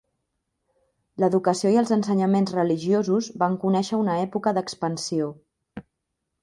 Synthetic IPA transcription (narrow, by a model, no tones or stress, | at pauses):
ləðukəsioiəlˠzənsəɲəmenzrəliʒiozuzbaŋkunɛʃəunəɛpukəðəkspənsio